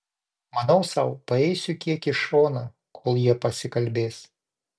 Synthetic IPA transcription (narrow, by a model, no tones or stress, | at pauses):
mɐnɐʊsɐʊpɐɛɪsʲʊkʲiɛkɪʃoːnɐ | kʰoːlˠjiɛpɐsʲɪkɐlʲbʲeːs